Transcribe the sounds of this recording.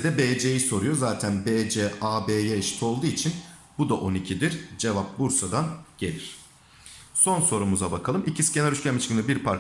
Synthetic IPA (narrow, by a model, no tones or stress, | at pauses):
d̪ɛbeːd͡ʒejiso̞ɾujo̞zaːt̪ʰænbed͡ʒɛaːbeːjeʃi̥t̪ʰo̞lˠd̪uːit͡ʃʰin | bud̪aʔo̞nicʰid̪iɾd͡ʒe̞vap̚buɾsad̪anɟ̥e̞lʲiɾ̝̥ | so̞nso̞ɾumuzabakʰalˠɯmʔicʰisi̥cʰenɛlɾʲyʃt͡ʃcʰænmɯt͡ʃkɯnɯbiɾpʰaɾ